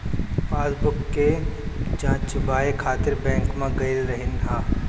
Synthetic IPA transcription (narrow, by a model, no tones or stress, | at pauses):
paːzbʊkːed͡ʒãːt͡ʃbaːekʰaːt̪ɪɾbɛ̃ːŋkmãɡɐɪlɾɐɦɪnãː